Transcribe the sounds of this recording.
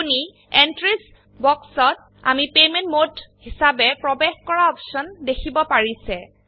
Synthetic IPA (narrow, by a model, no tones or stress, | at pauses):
uni | entɹis | bɔksɔt̚ | a̰mipejmentmodhisabɛpɹɔbexkɔɹaɔpsɔndekʰibɔpaɹisɛ